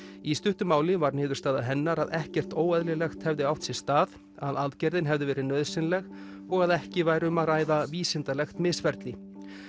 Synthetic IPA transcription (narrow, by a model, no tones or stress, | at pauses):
ist̪ʏht̪ʏmaːwlɪvaɾnɪːðʏɾst̪aːðaɦɛnːaɾaðɛhcɛr̥t̪oːwɛðlɪlɛxt̪hɛvðɪawht̪sjɛst̪aːð | aðalt̪cɛɾðɪnɦɛvðɪvɛːɾɪnœːðsɪnlɛɣ | ɔɣaðɛhcɪvaːjɾɪʏmaðraːjðaviːsɪnt̪alɛxt̪mɪsvɛɾt̪lɪ